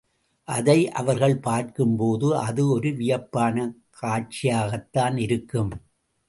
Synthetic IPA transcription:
ʔɐðɐɪʔɐ̰ʋɐɾɣɐɭpaːɾkɯmpoːðɯʔɐðɯɔɾɯʋɪjɐpːaːnɐkʰaːʈ̚t͡ʃɪjaːɣɐt̪ːaːnɪɾɯkːɯm

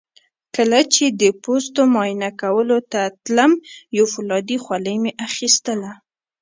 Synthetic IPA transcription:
kəlat͡ʃed̪əpost̪omɑjnakawəlot̪at̪lamjofʊlɑd̪ixwaləjmeʔaxist̪əla

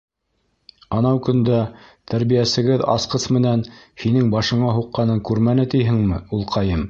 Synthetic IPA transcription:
ɑnɑwkɵ̆nd̪æt̪æɾβijæsɘ̆ɡɘðɑ̰sqɤsmɘ̆nænhinɘŋbɑʃɤ̆ɴɑɦuqːɑnɤŋkʉɾmænɘt̪ijɦɘŋmɘulˠqʰɑjɤm

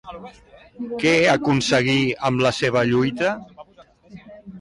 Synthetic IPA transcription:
kɛeəkunsəɣ̞iəmləseβ̞əʎujt̪ə

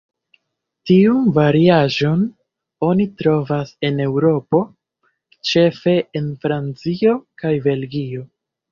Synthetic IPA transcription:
tiunvaɾiaʒo̞n | o̞nitɾo̞vase̞ne̞wɾo̞po̞ | t͡ʃe̞fe̞enfɾant͡sio̞kajbe̞lɡio̞

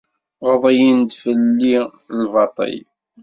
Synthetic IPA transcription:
ʁðˤəjind̪fəlːi | lvɑt̪ˤə̰j

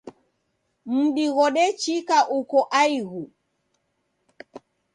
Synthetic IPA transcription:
m̩ɗiɣɔɗɛt͡ʃikaʔukɔʔaiɣu

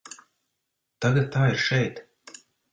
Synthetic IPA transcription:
t̪aɡat̪̚t̪aːiɾʃɛjt̪

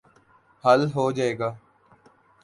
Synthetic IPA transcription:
həlɦoːd͡ʒaːeːɡaː

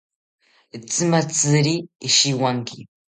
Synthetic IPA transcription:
t͡sɨmat͡sɨɾiːʃiwaŋkɪ

